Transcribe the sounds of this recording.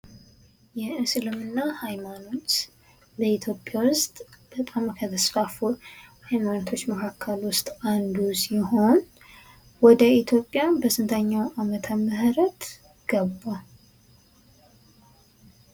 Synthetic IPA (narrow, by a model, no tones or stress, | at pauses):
jɛɨsɨlɨmɨnːahajmano̞t̪ | bəit̪ʰjo̞pʼjawʊst̪ʼb̥ət̪ʼamkʰət̪ʰəsfafuhajmanot̪ʰo̞t͡ʃːməkʰakʰːəlwʊst̪ʼand̪usiho̞n | wɔd̪əit̪ʰjo̞pʼːjabəsɨnt̪ʰəɲːawamət̪ʰəməhɾət̪ | ɡ̥əbːa